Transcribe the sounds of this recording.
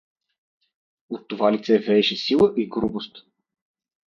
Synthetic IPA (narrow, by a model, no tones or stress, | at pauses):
ot̪ːovalit̪sɛvɛʃɛsilˠəʔiɡɾubost̪